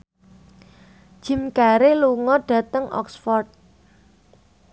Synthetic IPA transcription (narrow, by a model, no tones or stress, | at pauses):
d̥ʒ̥ɪ̤mkaɾeluŋɔɖ̥ä̤t̪əŋɔ̰ksfɔrt̪̚